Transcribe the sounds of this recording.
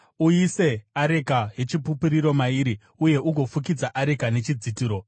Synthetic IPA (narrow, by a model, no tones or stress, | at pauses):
uise̞aɾe̞kaɦe̞t͡ʃipupuɾiɾo̞maiɾi | uje̞ʔuɡʱo̞fuk̬id͡zaʔaɾe̞kane̞t͡ʃid͡zitiːɾo̞